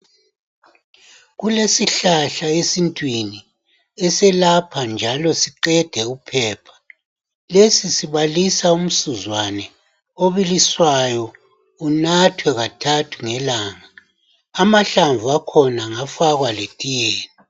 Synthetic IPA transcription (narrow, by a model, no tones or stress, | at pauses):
ɣulesiɬaɬaesintʼwini | ɛsɛlapʰand͡ʒʱalɔsiǃɛd̥ʱɛupʰɛːpʰḁ | lesisiβalisaum̩suzwanɛ | oβiliswajɔ | unatʰwɛɣatʰatʰuŋɛlaːŋaː | maɬaɱvuakʰɔnaŋafaɣwaletʼijeːni